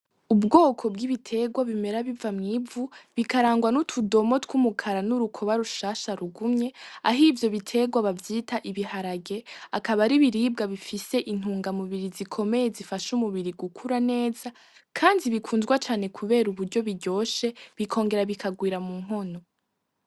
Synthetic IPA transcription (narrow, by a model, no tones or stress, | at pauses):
ubɡo̞ːkʰo̞b̚ɡiβitʰe̞ɡwaβime̞ɾaβivamŋiːvuβikaɾaːŋɡwanutʰudo̞mo̞twumukʰaɾanuɾukʰo̞βaɾuʃaʃaɾuɡumɲe̞a̰ɦivjo̞βitʰe̞ɡwaβavjiːtaʔiβihaɾaɡe̞akaβaɾiβiɾiːb̚ɡaβifise̞ʔin̥uːŋɡamuβiɾizikʰo̞me̞jezifaʃumuβiɾiɡukʰuɾane̞ːza | kʰaːndiβikʰuːnzɡwat͡ʃaːne̞kʰuβe̞ːɾuβuɾɟo̞βiɟo̞ːʃe̞βikʰo̞ːŋɡe̞ɾaβikʰaɡwiːɾamuːŋ̥ɦo̞no̞